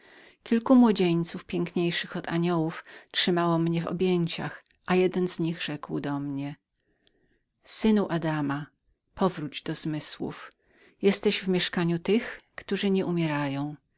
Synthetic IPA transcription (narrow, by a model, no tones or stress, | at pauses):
kʲilkumwɔd͡ʑeɲt̪sufpʲjɛŋkɲejʂɘxɔt̪aɲɔwuftʂɘmawɔmɲɛvɔ̰bʲjeɲt͡ɕa̰x | ʔajɛd̪ɛnzɲiɣʐɛkwd̪ɔmɲɛ | sɘnuʔad̪ama | pʰɔvɾud͡ʑd̪ɔz̥mɘswṵf | jɛst̪ɛɕvmʲjɛʂkaɲut̪ɘxkt̪uʐɘɲɛʔumʲjɛɾajɔ̃w̃